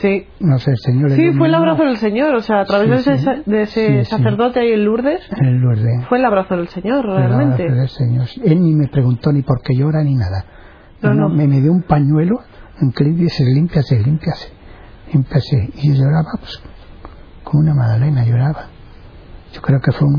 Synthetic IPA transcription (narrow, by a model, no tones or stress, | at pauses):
si | noseːlseɲoɾesifwelaβɾaθoðelseɲo̞ɾoseaːt̪ɾaβezðesed̪eesesaiθe̞ɾðo̞t̪eajienluɾðesenluɾðefwelaβɾaθoðe̞lseɲo̞ɾreealmaẽnat̪eeðelseɲo̞ɾelnime̞pɾe̞ɣunt̪o̞nipo̞ɾke̞ʝo̞ɾaninaða | nonomemeðjoumpaɲwe̞lo | eŋkeliðeselimpjaselimpjase̥ | limpjaseioʝo̞ɾaβapwe̥s | komunamaðalenaʝo̞ɾaβa | ɟ͡ʝo̞kɾe̞okefweun